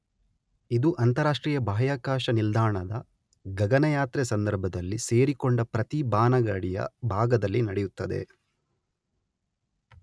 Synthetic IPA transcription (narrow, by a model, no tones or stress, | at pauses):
id̪uʔɐnt̪ɐɾaːʂʈɾiːjɐbʱaːjaːkaːʃɐnild̪aːɳɐd̪ɐ | ɡɐɡɐnɐjaːt̪ɾɛsɐnd̪ɐɾbʱɐd̪ɐlːise̞ːɾikoɳɖɐpɾɐt̪ibaːnɐɡɐɽijɐ̰bʱaːɡɐd̪ɐlːinɐɽejut̪ːɐd̪e̞̰